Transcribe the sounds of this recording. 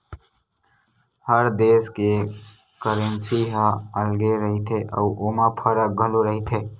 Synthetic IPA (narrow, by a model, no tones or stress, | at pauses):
həɾd̪eːske | kəɾənsiɦaəlɡeɾəɦit̪ʰeʔə̰uʔoːmapʰəɾək̚ɡʱəloɾəɦit̪ʰe